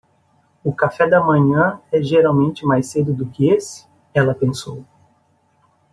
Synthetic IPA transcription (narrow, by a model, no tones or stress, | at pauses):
ʊkafɛd̪ɐmɐ̃ɲɐ̃ɛʒeɾawmẽnt͡ʃɪmajsed̪ʊd̪ʊkɪesɪ̥ | ɛlɐpẽsow